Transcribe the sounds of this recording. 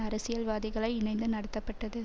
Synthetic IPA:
ɐɾɐsɪjɐlʋaːðɪɣɐɭɐɪɪnɐɪnd̪ɯnɐɽɐt̪ːɐpːɐʈːɐðɯ

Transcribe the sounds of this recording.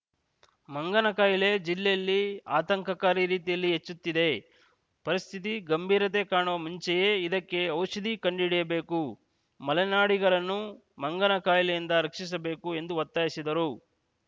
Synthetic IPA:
mɐŋɡɐnɐkaːjile̞d͡ʒilːɛjɐlːiaːt̪ɐŋkɐkaːɾiɾiːt̪ijɐlːiɦet͡ʃːut̪ːid̪e̞ | pɐɾist̪ʰit̪iɡɐmbʱiːɾɐt̪ekaːɳuʋɐmuɲt͡ʃɛje̞ːid̪ɐkːe̞ɐwʃɐd̪ikɐɳɖiɽijɐbe̞ːku | mɐlɛnaːɽiɡɐɾɐnːu | mɐŋɡɐnɐkaːjilɛjind̪ɐɾɐkʂis̬ɐbe̞ːkue̞nd̪uʋɐt̪ːaːjisid̪ɐɾu

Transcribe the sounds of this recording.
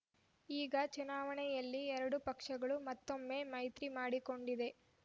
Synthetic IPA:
iːɡɐt͡ʃunaːʋɐɳɛjɐlːiɛɾɐɽupɐkʂɐɡɐɭumɐt̪ːo̞mːe̞ːmɐjt̪ɾimaːɽiko̞ɳɖid̪e̞

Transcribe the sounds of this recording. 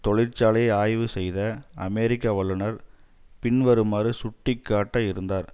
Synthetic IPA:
t̪ɔɭɪɾt͡ʃaːɭɐɪaːjʋɯsɛjðɐɐ̰mɛɾɪkːɐʋɐɭːɯnɐɾ | pɪɳʋɐɾɯmaːɾɯsʊʈːɪkːaːʈːɐɪɾɯnd̪aːɾ

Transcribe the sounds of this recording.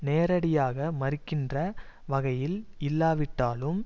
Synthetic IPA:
neːɾɐɽɪjaːɣɐmɐɾɪkːɪndrɐ | ʋɐɣɐjɪlɪlːaːʋɪʈːaːlɯm

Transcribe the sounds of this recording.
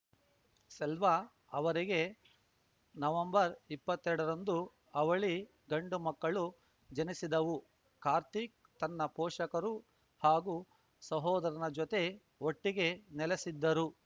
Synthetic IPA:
sɛlʋɐ | ɐʋɐɾiɡe̞ | nɐʋɐmbɐɾipːɐt̪ːɛɾɽɐɾɐnd̪u | ɐʋɐɭi | ɡɐɳɖumɐkːɐɭu | d͡ʒɐnisid̪ɐʋu | kaːɾt̪ik̚ | t̪ɐnːɐpɔːʂɐkɐɾu | haːɡu | sɐɦɔːd̪ɐɾɐnɐd͡ʒɔt̪e̞ | oʈːiɡe̞nɛlesid̪ːɐɾu

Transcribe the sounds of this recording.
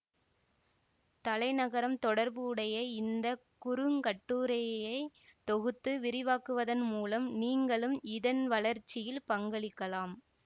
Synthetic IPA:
t̪ɐlɐɪnɐɣɐɾɐmt̪ɔɽɐɾbɯːɽɐjɐɪnd̪ɐkʊɾɯŋkɐʈːuːɾɐjɐɪt̪ɔɣɯt̪ːɯʋɪɾɪʋaːkɯʋɐðɐnmuːlɐmniːŋɡɐɭɯmɪðɐnʋɐɭɐɾt͡ʃːɪjɪlpɐŋɡɐɭɪkːɐlaːm

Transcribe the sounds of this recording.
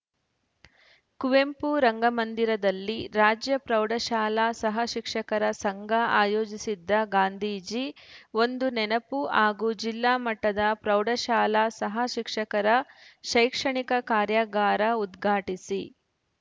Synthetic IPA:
kuʋempuɾɐŋɡɐmɐnd̪iɾɐd̪ɐlːiɾaːd͡ʒjɐpɾɐwɖɐʃaːlasɐɦɐʃikʂɐkɐɾɐsɐŋɡʱɐaːjoːd͡ʒisid̪ːɐɡaːnd̪ʱiːd͡ʒio̞nd̪unɛnɐpuaːɡud͡ʒilːaːmɐʈːɐd̪ɐpɾɐwɖɐʃaːlaːsɐɦɐʃikʂɐkɐɾɐʃɐjkʂɐɳikɐkaːɾjaːɡaːɾɐud̪ɡʱaːʈisi

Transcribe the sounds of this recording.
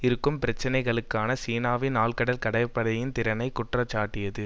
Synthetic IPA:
ɪɾɯkːɯmpɪɾɐt͡ʃːɪnɐɪɣɐɭɯkːaːnɐsiːnaːʋɪnaːlkɐɽɐlkɐɽɐɪpːɐɽɐjɪnt̪ɪɾɐnɐɪkːʊʈrɐt͡ʃːaːʈːɪjɐðɯ

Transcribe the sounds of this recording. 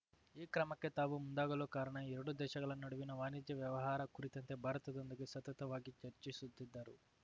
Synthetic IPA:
iːkɾɐmɐkːet̪aːʋumund̪aːɡɐloːkaːɾɐɳɐɛɾuɽud̪ɛːʃɐɡɐlɐnnɐɽuʋinɐʋaːnid̪jɐʋjɐʋɐɦaːɾɐkuɾit̪ɐnt̪e̞ːbʱaːɾɐt̪ɐd̪ond̪ukisɐt̪ɐt̪ɐʋaːɡit͡ʃɐɾt͡ʃisud̪ːid̪ːaːɾu

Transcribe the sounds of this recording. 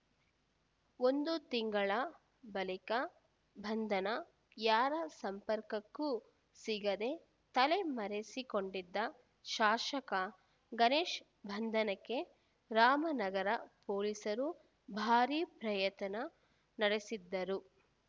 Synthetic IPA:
o̞nd̪ut̪iŋɡɐɭɐ | bɐlikɐ | bʱɐnd̪ʱɐnɐ | jaːɾɐsɐmpɐɾkɐkːu | siɡɐd̪e̞ | t̪ɐle̞mɐɾesiko̞ɳɖid̪ːɐ | ʃaːʃɐkɐ | ɡɐneːʃ | bʱɐnd̪ʱɐnɐkːe̞ | ɾaːmɐnɐɡɐɾɐpoːlisɐɾu | bʱaːɾiːpɾɐjɐt̪ɐnɐ | nɐɽesid̪ːɐɾu

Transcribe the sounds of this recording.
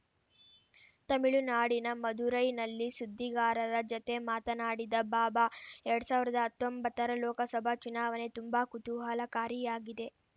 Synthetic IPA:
t̪ɐmiɭunaːɽinɐmɐd̪uɾɐjnɐlːisud̪ʱːiɡaːɾɐɾɐd͡ʒot̪e̞maːt̪ɐnaːɽid̪ɐbaːbaɛɾɐɽusaːʋiɾɐd̪ɐɦɐt̪ːombɐt̪ːɐɾɐlɔːkɐsɐbʱɐt͡ʃunaːʋɐne̞t̪umbakut̪uɦɐlɐkaːɾijaːɡid̪e̞

